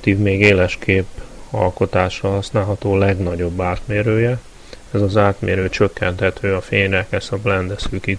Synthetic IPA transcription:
t̪iːvmeːɡeːlɛʃkʰeːpɒ̰lko̞t̪aːʃɒɦɒsnaːlɦɒt̪oːlɛɡnɒɟo̞bːaːt̪meːɾøːjɛ | ɛzɒzaːt̪meːɾøːt͡ʃøkːɛnt̪hɛt̪ʰøːɒfeːɲrɛkɛsɒblɛnd̪ɛsøːki

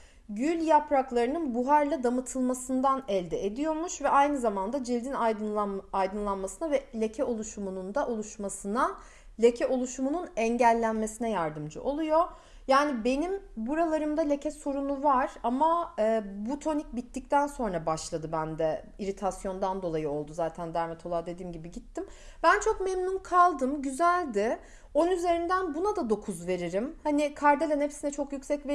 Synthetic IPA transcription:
ɟylʲjapɾaklˠaɾɯnɯnbuɦaɾlˠad̪amɯt̪ʰɯlˠmasɯnd̪anɛlʲd̪ɛʔed̪ijo̞ɾmuʃvɛʔajnɯzamand̪ad͡ʒilʲd̪inajd̪ˠajd̪ɯnlˠanmasɯnavɛlʲe̞cʰɛo̞lˠuʃumunund̪aʔo̞lˠuʃmasɯna | lʲe̞cʰɛʔo̞lˠuʃumununɛɲɟælʲːænme̞sinɛjaɾd̪ɯmd͡ʒɯʔo̞lˠujo̞ | jaːnibe̞nimbuɾalˠaɾɯmd̪alʲe̞cʰɛso̞ɾunuvaɾ̥amaːbut̪ʰo̞nic̚bit̪ːic̚t̪ʰænso̞nɾabaʃlˠad̪ɯbænd̪ɛ | iɾit̪ʰasjo̞nd̪and̪o̞lˠajɯo̞lˠd̪uzaːt̪ʰænd̪æɾmɛt̪ʰo̞lˠaːd̪e̞d̪iːmɟibiɟit̪ʰːim | bænt͡ʃʰo̞kmɛmnunkʰalˠd̪ɯmɟyzælʲd̪ɪ | onyze̞ɾind̪ænbunad̪ad̪o̞kʰuzve̞ɾiɾimhanikʰaɾd̪elʲanepsinɛt͡ʃʰo̞kjycʲsɛcve

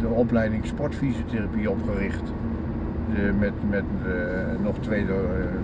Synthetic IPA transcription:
dəɔplɛjdɪŋspɔɹtfizjotʰerapiopxərɪxt | əmɛmɛt | nɔxtʋeːdə

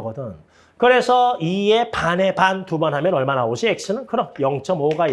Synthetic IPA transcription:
ɡʌdɯn | kɯɾe̞sʰʌiepane̞pantubʌnɦamjʌnʌɭmanaoɕʰiek̚s͈ɯnɯnkɯɾʌjʌŋt͡ɕʰʌmoɡa

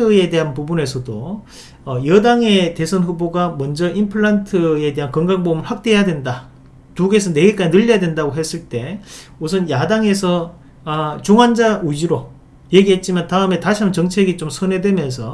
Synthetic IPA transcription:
ɯe̞de̞ɦanpubune̞sʰʌdoː | jʌdaŋe̞te̞sʰʌnɸuboɡamʌnd͡ʑʌʔimpʰɯɭːantʰɯe̞de̞ɦankʌŋɡaŋbomɯɭhwak̚t͈e̞jadwenda | tuɡe̞sʰʌne̞ɡek͈ad͡ʑinɯʎːʌjadwe̞ndaɡoɦe̞s͈ɯɭt͈e̞ | usʰʌnjadaŋe̞sʰʌ | t͡ɕuŋand͡ʑaʔud͡ʑiɾo | je̞ɡiɦe̞t̚t͡ɕ͈imantaɯme̞taɕʰiɦamɯnt͡ɕʌŋt͡ɕʰe̞ɡit͡ɕomsʰʌnɦe̞dwe̞mjʌnsʰʌ

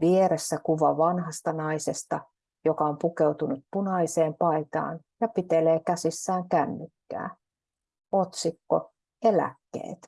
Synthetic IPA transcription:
ʋieɾesːækuʋɑʋɑnhɑst̪ɑnɑisest̪ɑ | jokɑompukewt̪unut̪̚punɑiseːmpɑit̪ɑ̰ːn | jɑpit̪eleːkæsisːæːŋkæmːykːæ̰ː | ot̪sikːo | elæ̰kːḛːt̪

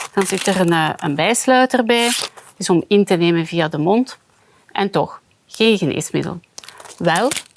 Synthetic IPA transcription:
d̥ɑnzɪtərənːə̰nbɛjslœɥtərbɛjtɪzɔmɪntəneːmənvijadəmɔnt | ʔɛntɔx | xeːnɣənḛːsmɪ̰də̰lˠʋɛlˠ

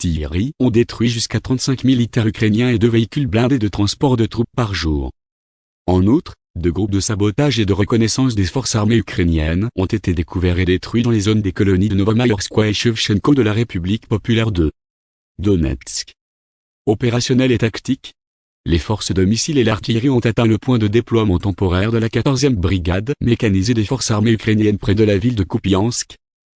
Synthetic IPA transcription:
t̪iʁiɔ̃d̪et̪χɥiʒyskat̪χɑ̃t̪sɛ̃kmilit̪ɛʁykχenjɛ̃ed̪øveikʲylblɛ̃d̪ed̪ət̪χɑ̃spɔʁd̪ət̪χupːaʁʒuːʁ | ɑ̃nut̪χ | d̪øɡʁup̚d̪əsabɔt̪aʒed̪əʁəkɔnɛsɑ̃sd̪efɔʁsaʁmeykχenjɛnɔ̃t̪et̪ed̪ekuvɛʁed̪et̪χɥid̪ɑ̃lezond̪ekɔlɔnid̪ənɔvamajɔʁskwaeʃɛfʃɛnkod̪əlaʁepyblikpɔpylɛʁd̪ə | d̪ɔnɛ̰t̪sk | ɔpeʁasjɔnɛlet̪akt̪ik | lefɔʁsəd̪ɔmisilelaʁt̪iʁiɔ̃t̪at̪ɛ̃ləpwɛ̃d̪əd̪eplwamɑ̃t̪ɑ̃pɔʁɛʁd̪əlakat̪ɔʁzjɛmbʁiɡad̪mekanized̪efɔʁsaʁmeykχenjɛnpχɛd̪əlavild̪əkupiɑ̃sk

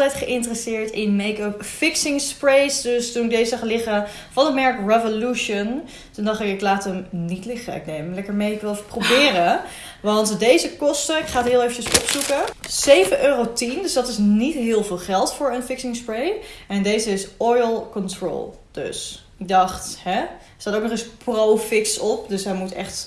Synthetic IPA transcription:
tɛjtχəʔɪntərəsɪːɹtɪnmejkəpfɪksɪŋspɹejsdøstunɪk̚dejzəɑχlɪχə | fɑnəmɛɹkrɛvoluʃən | tundɑχtɪkɪklaːtəmnitlɪχə̰ɪ̰k̚dejlɛkəɹmejɪkʋɪlˠefəprobɪːrə | ʋɑntdejzəkɔstəɪkχaːtɦɪːlˠejvət͡ʃəsɔpsukəz̥ejvənøːrowtindøsdɑtɪsnitɦɪːlˠvɪːlˠχɛlˠtfʊːɹənfɪksɪŋspɹejɛndejzəɪsɔjlˠkɔntɹo̰ːlˠ | d̥ø̰s | ɪɡ̚dɑχthɛ | staːtowk̚nɔχɪsprowfɪksɔp̚døsɦɛjmutɛ̰χt

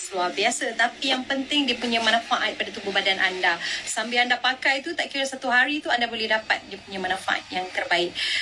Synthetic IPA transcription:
suabiasət̪apijaŋpənt̪ɪŋdiəpuɲãmanãfaʔaʔipadat̪ubʊhbadanʔandasambɪlandapakajt̪ut̪aʔkiɾəsat̪uɦaɾit̪uandabolɛhdapa̰t̪̚diəpuɲãmanãfa̰ʔa̰t̪̚jaŋt̪ərbaɪk̚

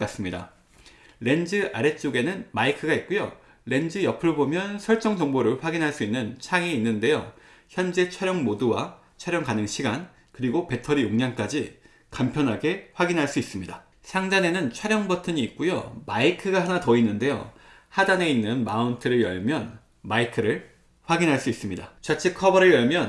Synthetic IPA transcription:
k͈as͈ɯmɲida̰ | ɾe̞nd͡ʑɯʔaɾe̞t͡ɕ͈oɡe̞nɯnmaikʰɯɡait̚k͈ujo | ɾe̞nd͡ʑɯjʌpʰɯɾobomjʌnsʰʌɭt͡ɕ͈ʌŋd͡ʑʌŋboɾɯɭɸwaɡinɦaɭs͈uinːɯnt͡ɕʰaŋiːnːɯnde̞jo̰ | çjʌnd͡ʑe̞t͡ɕʰaɾjʌŋmoduwa | t͡ɕʰwaɾjʌŋkanɯŋɕʰiɡan | kɯɾiɡope̞tʰʌɾijuŋɲank͈ad͡ʑi | kampʰjʌnɦaɡe̞ɸwaɡinɦaɭs͈uis͈ɯmɲida | sʰaŋd͡ʑane̞nɯnt͡ɕʰwaɾjʌŋbʌtʰɯɲiːk̚k͈ujo̰maikʰɯɡaɦanatʌinːɯnde̞jo̰hadane̞inːɯnmauntʰɯɾɯɭjʌ̰ɭmjʌn | maikʰɯɾɯɭ | ɸwaɡinɦaɭs͈uis͈ɯmɲidat͡ɕat͡ɕʰekʰʌbʌɾɯɭjʌɭmjʌn

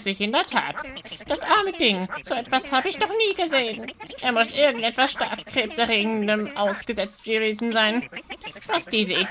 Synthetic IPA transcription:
z̥ɪçɪndeːɐtʰa̰ːtd̥asʔaɐmədɪŋz̥oːɛtv̥ashaːbəɪçnɔχniːɡəzeːənʔeːɐmʊsʔɪɐɡŋ̩tʔɛtv̥asʃtaɐkkʁ̥eːpsɛʁeːɡŋ̩dəmʔaʊsɡ̥əzɛt͡stɡ̥əveːzn̩zaɪnvasd̥iːzəi

